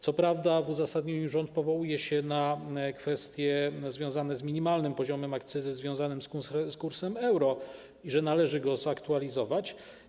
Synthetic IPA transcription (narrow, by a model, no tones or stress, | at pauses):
t̪sɔpɾavd̪avuzasad̪ɲɔɲiʐɔnt̪̚pɔvɔwujɛɕɛnakfɛst̪ʲjɛzvʲjɔ̃w̃zanɛzmʲiɲimalnɘmpɔʑɔmɛmakt̪sɘzɘzvʲjɔ̃w̃zanɘmskusskuɾsɛmɛwɾɔ | iʐɛnalɛʐɘɡɔzakt̪ualʲizɔvat͡ɕ